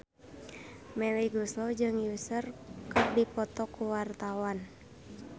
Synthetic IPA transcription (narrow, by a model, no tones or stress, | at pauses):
mɛliɡuslɔd͡ʒɨŋjusərkɨr̚dipɔt̪ɔkuwart̪awan